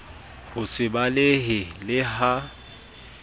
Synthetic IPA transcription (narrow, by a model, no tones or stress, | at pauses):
hʊsɪbalɪɦɪlɪɦa